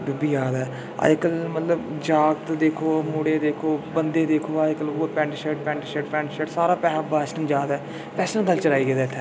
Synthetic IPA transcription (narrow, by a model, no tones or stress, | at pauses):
ɖʊbiːd͡ʒaːd̪ɛː | a̰ːd͡ʒkəlmət̪ləbd͡ʒaːɡt̪d̪eːkʰoːmʊːɽeːd̪eːkʰoːbənd̪eːd̪eːkʰoːaːkəlʊpɛ̃ːɳʈʃɛːʈpɛ̃ːɳʈːʃɛːʈpɛ̃ːɳʈʃɛːʈsaːɾaːpɛːabaːsʈəmd͡ʒaːd̪ɛː | pɛːsənɡəlt͡ʃəɾaːiːɡeːd̪aːt̪ʰːɛː